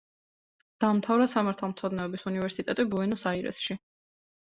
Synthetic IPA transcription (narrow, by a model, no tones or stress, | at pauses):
d̪̥amt̪ʰavɾasamaɾt̪ʰalˠmt̪sʰɔd̪nɛɔbisunivɛɾsit̪ʼɛt̪ʼibuɛnusaiɾɛ̰sʃi